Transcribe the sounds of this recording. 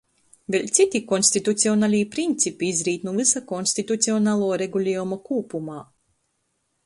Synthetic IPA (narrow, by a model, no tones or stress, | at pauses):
delʲt̪sit̪ʲikɔnʲsʲt̪ʲit̪ut̪sʲiɔnalʲiːpɾint̪sʲipiizɾiːt̪nuvɨsakɔnst̪it̪ut̪siɔnaːlˠoːɾeɡulʲeːumɐkuːpumaː